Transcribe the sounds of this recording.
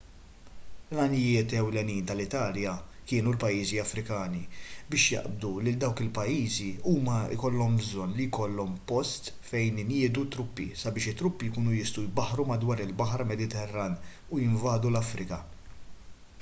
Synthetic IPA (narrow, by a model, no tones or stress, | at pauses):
lɐnɪjɪːt̪ɛwlɛniːnt̪ɐlɪt̪ɐːljɐkɪːnulpɐjːiːziɐfɾɪkɐːnibɪːʃjɐ̰ʔb̚d̪ulɪld̪ɐwkɪlpɐjːiːziuːmɐɪ̰kɔlːɔmbzɔnːlijkɔlːɔmpɔst̪ | fɛjnnjɪːd̪ut̪ːɾʊpːḭsɐbɪːʃɪt̪ːɾʊpːijkuːnujɪst̪ujbɐħɾumɐd̪wɐːɾɪlbɐħɾɐmɛd̪ɪt̪ɛrːɐn | ujɪɱvɐːd̪ulɐfɾʔɪkɐ